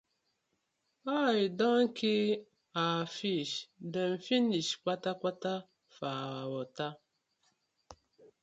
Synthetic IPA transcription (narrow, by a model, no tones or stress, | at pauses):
ajidɔŋ̩kʰi | afiʃdəm̩finiʃkʷatakʷata | faawɔta